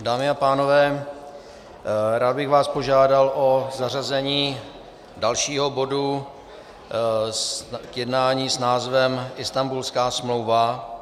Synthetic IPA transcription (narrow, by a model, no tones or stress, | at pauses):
daːmɪapaːno̞vɛː | ɾaːd̪̚bɪɣvaːspo̞ʒaːdalʔo̞zar̝azɛɲiː | dalʃiːɦo̞bo̞du | kjɛdnaːɲiːsnaːzvɛmʔɪst̪ambulskaːsmlo̞wva